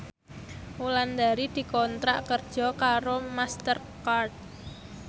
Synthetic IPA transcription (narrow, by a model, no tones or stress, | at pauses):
uland̪aɾid̪̥i̤kɔnt̪ɾaʔkərd̥d͡ʒʒ̥ɔ̤kaɾomast̪ər | kart̪̚